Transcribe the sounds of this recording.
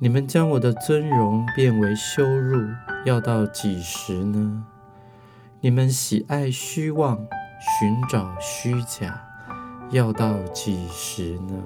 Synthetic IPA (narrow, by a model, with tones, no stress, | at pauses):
ni˨˩mə˦nt͡ɕjɑ˥ŋwɔ˨˩d̪ə˦t͡swə˥nɻʊ˧˥ŋpjɛ˥˩nwe˧˥ɪɕjo˥ʊɻu˥˩jɑ˥˧ʊt̪ɑ˥˩ʊt͡ɕi˨˩ʂɻ̩˧˥nə˧ | ni˨˩mə˦nɕi˨˩ʔa˥˩ɪɕy˥wɑ˥˩ŋɕy˧˦˥nʈ͡ʂɑ˨˩ʊɕy˥t͡ɕja˨˩˦jɑ˥˧ʊt̪ɑ˥˩ʊt͡ɕi˨˩ʂɻ̩˧˥nə˧